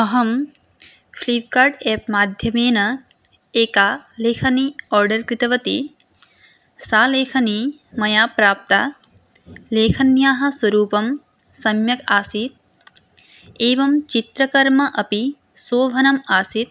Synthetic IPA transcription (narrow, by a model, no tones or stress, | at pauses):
ɐɦɐm | fliːʋkaːɾɖɛːp̚maːd̪ʱjɐmeːnɐ | eːkaːleːkʰɐniɔːɾɖɐɾkɾɪt̪ɐʋɐt̪i | saːleːkʰɐni | mɐjaːpɾaːp̚t̪a̰ː | leːkʰɐnjaːɦɐ̆swɐɾuːpɐm | sɐmjɐkaːsit̪̚ | eːʋɐmt͡ʃit̪ɾɐkɐɾmɐʔɐpi | soːʋʱɐnɐmaːsit̪̚